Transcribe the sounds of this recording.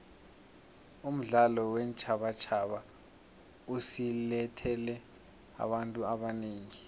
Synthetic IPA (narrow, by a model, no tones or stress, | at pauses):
um̩ɮalɔwɛnt͡ʃʼʰaɓat͡ʃʰaɓa | usilɛtʰɛlɛ | a̰ɓantʼuaɓaneːŋi